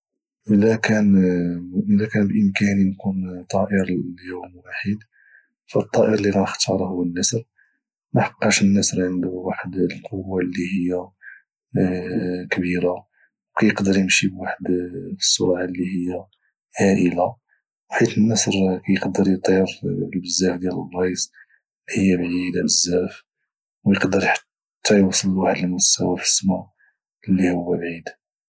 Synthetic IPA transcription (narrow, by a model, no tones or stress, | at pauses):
ʔəlækæn | ʔəlːækænbʔəmkæninkunt̪ˤɑʔəɾlːihuwəlmwaħəd̪ | fæt̪ˤːɑʔəɾlilænəxt̪ʰɑɾˤhʊwːənːəsɾ | mæħɑ̥qːɑʃənːəsɾʕənd̪ʊwaħəd̪lqʰowːalːihəjːa | kbiɾa | wkæjəqd̪əɾjəmʃibwaħəd̪fi̥sˤːʊɾʕalːihəjːæ | hæʔəla | wħit̪ənːæsɾkæjəqd̪əɾjt̪ˤəɾlbəzːæfd̪jæləbˤɑsˤ | lihhəjːæbʕid̪bəzːæf | wjəqd̪əɾjħ | t̪ːɑjwɑsˤːəllwaħəd̪əlmʊsːæwæfi̥sːma | lːihʊwːæbʕid̪